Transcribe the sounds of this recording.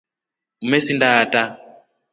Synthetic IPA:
umesindaːta

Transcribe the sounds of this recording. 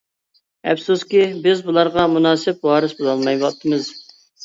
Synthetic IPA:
ɛ̰psuskʲibɪzbulˠɑɾʁɑmunɑːsɪp̚wɑːɾɨsbuzɑlˠmɑjwɑt̪ʰːɨmɨz

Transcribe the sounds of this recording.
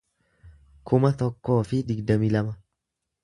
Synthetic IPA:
kʰʊmɐt̪ɔkːo̞ːfɪd̪ɪɡd̪ɐmilɐmɐ

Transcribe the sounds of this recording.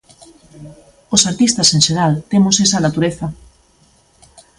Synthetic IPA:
osaɾt̪ist̪asenʃeɾalt̪emosesanat̪uɾeθa

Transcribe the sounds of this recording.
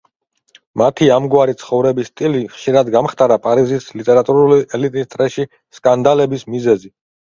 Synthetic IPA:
mat̪ʰiamɡwaɾit̪sʰχɔvɾɛbist̪ʼiliχʃiɾad̪ɡamχt̪ʼaɾapʼaɾizislit̪ʼɛɾat̪ʼuɾuliʔɛlit̪ʼist̪ʼɾɛʃi | skʼand̪alɛbismizɛzi

